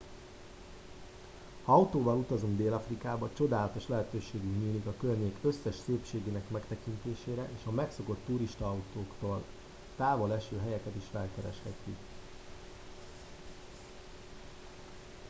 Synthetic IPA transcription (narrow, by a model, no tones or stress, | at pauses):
ɒɒwt̪oːvɒlut̪ɒzuŋɡd̪eːlɒfrikaːbɒt͡ʃo̞d̪aːlɒt̪o̞ʃlɛɦɛt̪øːʃeːɡykɲiːlikɒkørɲeːkøsːɛʃseːpʃeːɡeːnɛkmɛkt̪ɛkint̪eːʃeːɾɛʔeːʃɒmɛkso̞ko̞t̪ːuɾiʃt̪ɒɒwt̪oːkt̪oːl | t̪aːvo̞lɛʃøːɦɛjɛkɛt̪iʃfɛlkɛɾɛʃhɛ̰t̪ːik